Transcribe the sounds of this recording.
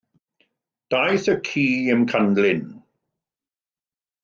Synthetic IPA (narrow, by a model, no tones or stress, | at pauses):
d̥ajθəkʰiːəmkʰandlɪn